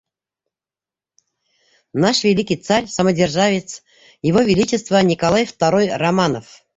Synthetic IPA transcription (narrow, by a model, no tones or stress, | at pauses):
naʂvʲelʲikʲijt̪sarʲsamədʲerʐavʲɪt̪s | jɪvovʲelʲit͡ɕɪst̪vənʲikalˠajft̪aɾojramanof